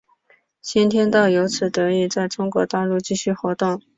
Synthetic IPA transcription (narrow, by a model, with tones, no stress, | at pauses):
t͡ɕi˥nt̪ʰjɛ˥nt̪ɑ˥˩ʊjo˧˥ʊt͡sʰɹ̩˨˩t̪ɤ˧˥i˥˩t͡sa˥˩ɪʈ͡ʂʊ˥ŋkwɔ˧˥t̪a˥˧lu˥˧t͡ɕi˥˧ɕy˥˩xwɔ˧˥t̪ʊ˥˩ŋ